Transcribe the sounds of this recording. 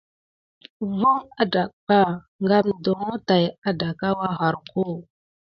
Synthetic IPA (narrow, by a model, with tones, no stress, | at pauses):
vo˦ŋa˦da˨kɓa˦˨ | ŋɡa˦mdo˨ŋo˦ta˨ja˦da˨ka˦wa˦xa˨ɾko˦˨